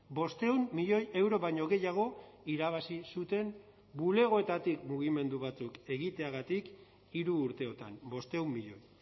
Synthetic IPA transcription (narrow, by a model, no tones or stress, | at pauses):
bo̞st̪e̞umːiʎo̞je̞wɾo̞βajɲo̞ɣe̞jaɣ̞o̞iɾaβ̞asisut̪e̞m | bule̞ɣ̞o̞e̞t̪at̪ikmuɣ̞ime̞nd̪uβ̞at͡suke̞ɣit̪eaɣat̪ik | iɾuːɾt̪e̞o̞t̪ambo̞st̪e̞umːiʎo̞j